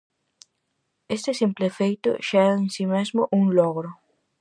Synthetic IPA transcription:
est̪ɪsimplefejt̪ʊ̰ʃɛɣaẽnsimezmʊʔuŋloɣɾʊ

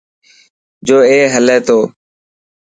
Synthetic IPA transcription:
d͡ʒoːeːɦəleːt̪ʰoː

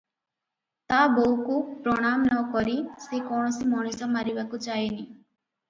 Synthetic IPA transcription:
t̪aboukupɾɔɽ̃amnɔkɔɾisekɔɳ̃ɔsimɔnusɔmaɾibakut͡ʃajeni

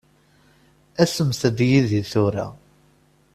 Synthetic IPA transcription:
æsəmθəd̪jiðiθʊɾa̰

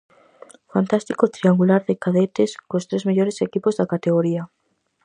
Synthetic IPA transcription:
fant̪ast̪ikot̪ɾiaŋɡulaɾðɪkaðet̪eskost̪ɾezmeʎoɾesekipozðakat̪eɣoɾia

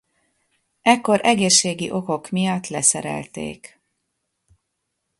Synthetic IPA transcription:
ɛkːo̞ɾɛɡeːʃːeːɡiʔo̞ko̞kmijɒt̪ːlɛsɛɾɛ̰lt̪ḛːk

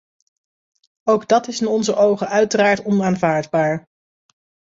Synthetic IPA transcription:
owɡdɑtɪsɪnɔnzəʔowχəʔœɥtəraːɹtɔnaːnvaːɹdbaːɹ

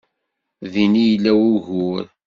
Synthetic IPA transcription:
ðinijlːæwuʝʊɾ

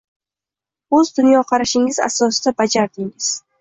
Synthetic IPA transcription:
ɵzd̪ʊnjɒqʰɑɾaʃɪŋɪza̰sɒsɪd̪abad͡ʒaɾd̪ɪŋɪz̥

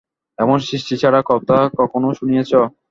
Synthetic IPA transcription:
ɛmonsɾiʃʈit͡ɕʰaɽakɔt̪akɔkʰonoʃunijet͡ɕʰɔ

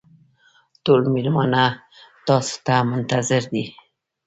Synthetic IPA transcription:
t̪olmelmana | t̪ɑst̪amʊnt̪azɪɾd̪i

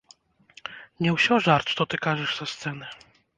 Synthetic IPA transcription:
ɲɛwɕɔʐaɾt̪t̪ɔt̪ɘkaʐɛʂzast̪sɛnɛ

